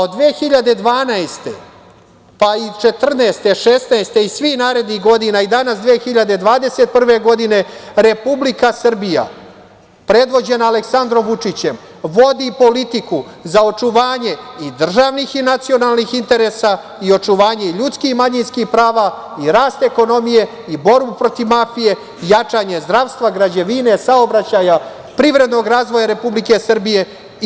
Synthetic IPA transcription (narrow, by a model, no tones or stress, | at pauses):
od̪ʋeːxiʎad̪e̞d̪ʋaːnaest̪e̞ | pait͡ʃe̞t̪r̩neːst̪e̞ʃest̪naest̪e̞isʋixnaːɾe̞d̪niɣɡo̞d̪inaid̪anasd̪ʋeːxiʎad̪e̞d̪ʋaːd̪e̞set̪̚pr̩ʋe̞ɡo̞d̪ine̞ɾe̞publikasr̩bija̰ | pɾe̞d̪ʋo̞d͡ʑe̞naːleksand̪ɾo̞mʋut͡ʂit͡ɕem | ʋo̞d̪ipo̞lit̪ikuzao̞t͡ʂuʋaːɲe̞id̪r̩ʒaːʋnixinat̪sijo̞nalnixint̪eɾe̞sa | io̞t͡ʂuʋaːɲe̞iʎut̪skixmaɲinskixpɾaːʋa | iɾaːst̪e̞ko̞no̞mije̞ | ibo̞ɾbupɾo̞t̪iʋmaːfije̞ | jat͡ʂaːɲe̞zd̪ɾaʋst̪ʋaɡɾad͡ʑeʋine̞saobɾat͡ɕaja | pɾiʋɾe̞d̪no̞ɡɾaːzʋo̞jaɾe̞publike̞sr̩bije